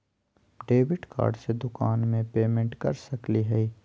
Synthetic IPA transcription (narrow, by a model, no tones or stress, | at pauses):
ɖeːʋɪɖka̰ːɾɖsed̪ʊkaːnmẽpeːmẽɳʈkɐ̰ɾsɐkliɦɛi